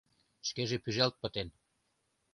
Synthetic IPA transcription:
ʃkeʒepyʒælt̪̚pət̪en

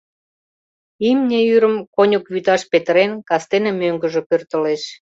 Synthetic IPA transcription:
imnʲeyɾəmkonʲəkβyt̪ɑʃpet̪əɾenkɑst̪enemøŋɡə̆ʒepørt̪əleʃ

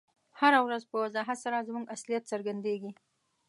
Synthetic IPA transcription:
haɾawɾazpəwazɑɦat̪saɾazmuɡaslijat̪səɾɡand̪eɡi

